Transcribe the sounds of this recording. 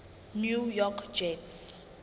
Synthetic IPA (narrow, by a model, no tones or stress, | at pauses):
njujɔkʰd͡ʒɛts